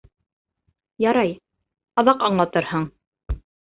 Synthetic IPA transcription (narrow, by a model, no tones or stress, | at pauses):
jɑɾɑj | qɑðɑqɑɴlˠɑt̪ɤɾhɤɴ